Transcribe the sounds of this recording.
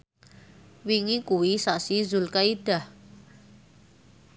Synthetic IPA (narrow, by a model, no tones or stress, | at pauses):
wiŋikuwisaʔsizulkaid̥ah